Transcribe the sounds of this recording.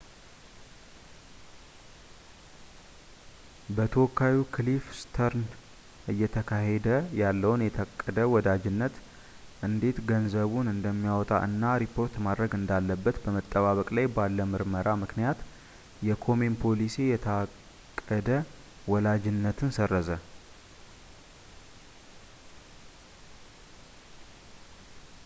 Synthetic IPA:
bət̪ʰəwɔkʰːawikʰlifst̪ʰəɾn | ʔɨjːɛt̪ʰəkʰaɦed̪əjalːəwnjɛt̪ʰəkʼːəd̪əwɔd̪ad͡ʒɪnːət̪ | ʔɨnd̪e̞t̪ɡənzəβunɨnd̪əmːijawɔt̪ʼa̰ʔɨnːaɾipʰːo̞ɾt̪mad̪ɾəɡɨnd̪alːəbːət̪bəmət̪ʼːəβaβəkʼlajbalːəmɨɾməɾamɨknijat̪ | jɛkʰo̞me̞mpʰo̞lisejɛt̪ʰəak | kʼːəd̪ə | wɔlad͡ʒɪnːət̪ʰɨnsərːəzə

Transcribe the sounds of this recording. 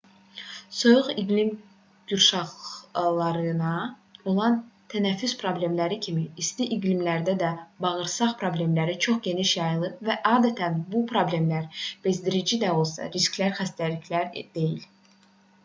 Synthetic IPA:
so̞juʁiɡlim | ɟ̥uɾʃɑχlˠɑɾɯnɑ | o̞lˠɑnt̪ʰænæfːyspʰɾo̞ble̞mlæɾicʰimiːst̪iʔiɡlimlæɾd̪æd̪æbɑʁɯɾsɑχpʰɾo̞ble̞mlæɾit͡ʃʰo̞χɟe̞niʃjɑjlˠɯvæʔɑːd̪æt̪ʰænbupʰɾo̞ble̞mlæɾb̥e̞zd̪iɾid͡ʒid̪æo̞lˠsɑ̰ɾiskʲlæɾxæst̪æliçlæɾd̪̥e̞jil

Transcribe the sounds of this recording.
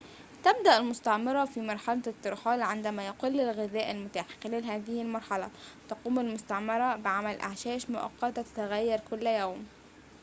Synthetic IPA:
t̪ab̚d̪aʔɪlmʊst̪ɑʕmɪɾˤɑfimɑɾˤħɑlat̪ːɑɾˤħɑːlʕɪnd̪æmæjɑqulːɪlɣɪðæːʔalmʊt̪aːħkleːlɦæːðɪhɪlmɑɾˤħɑlɑ̰t̪ɑquːmalmʊst̪aʕmɑɾˤɑbɪʕamælʔa̰ʕʃæːʃmʊʔɑ̰qːɑt̪ɑt̪ḁt̪aɣæjːɑɾˤkʊlːjaːm

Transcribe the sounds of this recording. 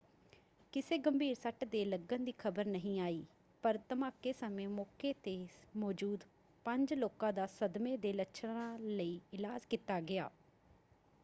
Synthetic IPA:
kɪseːɡəmbʱiːɾsəʈd̪eːləɡənd̪iːkʰəbəɾnəɦĩːaːiː | pəɾt̪əmaːkːeːsəmẽːmɔːkeːt̪eːmɔːd͡ʒuːd̪ | pəɲd͡ʒloːkãːd̪aːsəd̪mẽːd̪eːləʃʰɽãːləiːɪlaːd͡ʒkiːt̪aːɡɪa̰ː

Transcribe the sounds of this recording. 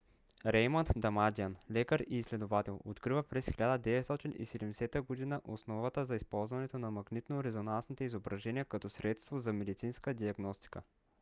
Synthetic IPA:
ɾɛjmənt̪d̪ɐmad̪ianlɛkəɾiːslɛd̪ovat̪ɛlˠot̪kɾivəpɾɛsxiʎʲad̪əd̪ɛvɛt̪st̪ɔt̪inḭsɛd̪ɛmd̪ɛsɛt̪əɡod̪inəʔosnɔvət̪əzɐispɔlˠzvɐnɛt̪onɐmɐɡnit̪noɾɛzonansnit̪ɛizobɾɐʒɛniəkɐt̪ɔsɾɛt̪st̪vozɐmɛd̪it̪sinskəd̪iɐɡnɔst̪i̥kə̰

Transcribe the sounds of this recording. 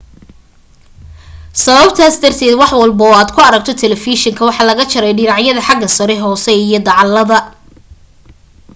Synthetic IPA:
sɐβɐbt̪ʰaːsd̪ɐrt̪ʰɛːd̪wɑħwɐlbɔːaːd̪kʰʊɐɾɐɡ̚t̪ʰɔt̪ʰɛlɛfiʃɪŋkʰɐwɑħɑːlɐɣɐt͡ʃʰɐɾɛjɖɪɾɑʕjɐðɐħɑɡɐsɐɾɛɦɔːsɛijɞd̪ɑʕɑlːɐðɐ

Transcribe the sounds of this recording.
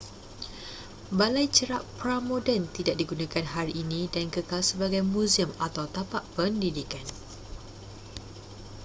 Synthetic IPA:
balajt͡ʃəɾaʔpɾamõdənt̪idaʔ̚diɡunãkanɦaɾiʔːnĩdankəkalsəbaɡajmũzimat̪awt̪apaʔpəndidikan

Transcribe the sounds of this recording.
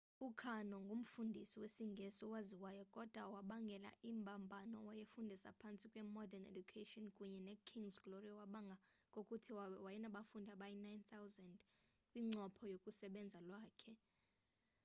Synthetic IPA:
ukʰanɔŋɡʱum̩fundʱisiwesiŋɡʱɛsɔwaziwajɔkʼɔd̥ʱwawaɓaŋɡʱɛla̰ʔimbʱambʱanɔ̰wajefundʱisa̰pʰant͡sʼikʼwɛmɔdanḛd͡ʒukʰetʼiɔnkʼuɲɛnɛkʰiŋzɡloriawaɓaŋɡʱakʼokʼutʰiwajɛnaɓafundʱaɓajinajnt̪ʰawzand | kʼwiŋ͡ǀɔpʰɔjokʼusɛɓɛnd͡zʱalwaːkʰɛ

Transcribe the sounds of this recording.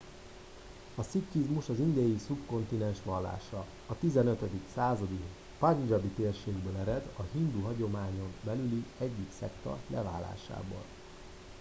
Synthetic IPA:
ɒsicːizmuʃɒzind̪ɛjisupko̞nt̪inɛnʃʋɒlːa̰ːʃɒ | ɒt̪izɛnøt̪ød̪iksaːzɒd̪i | pɒɲd͡ʒɒbit̪eːrʃeːɡbøːlɛɾɛd̪ɒhind̪uɦɒɟo̞maːɲo̞mbɛlyliɛɟːiksɛkt̪ɒ̰lʔɛva̰ːlːa̰ːʃa̰ːbo̰ːl

